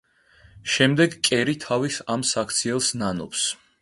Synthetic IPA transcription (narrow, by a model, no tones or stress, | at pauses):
ʃɛmd̪ɛɡkʼɛɾit̪ʰavisamsakʰt̪sʰiɛlˠsnanɔps